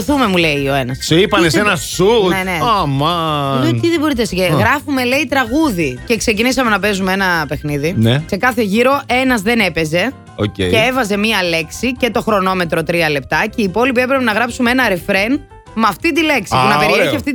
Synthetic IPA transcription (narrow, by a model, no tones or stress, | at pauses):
θume̞mule̞io̞e̞nɐssipɐnesenɐsuneneɐmɐot̪iðebo̞ɾit̪esiceɣɾɐfume̞le̞it̪ɾɐɣuðice̞kse̞cinisɐme̞nɐpe̞zumeenɐpe̞xniðinese̞kɐθeʝiɾo̞ʔe̞nɐzðe̞ne̞pe̞ze̞ | ocḛceevɐze̞miɐle̞ksice̞t̪o̞xɾo̞no̞me̞t̪ɾo̞t̪ɾiɐle̞p̚t̪ɐceiːpo̞lip̬ie̞pɾepenɐɣɾɐpsumeenɐɾefɾe̞n | mɐft̪it̪ile̞ksipunɐpeɾeiɐft̪i